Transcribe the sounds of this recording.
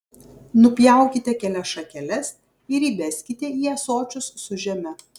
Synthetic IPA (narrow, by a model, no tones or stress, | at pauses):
nʊpʲjæˑʊkʲɪt̪ʲɛkʲɛlʲɛsʃɐkʲɛlʲɛs | ɪɾiːbʲɛsʲkʲɪt̪ʲɛiːɛsoːt͡ʃʲʊsːʊʒʲɛmʲɛ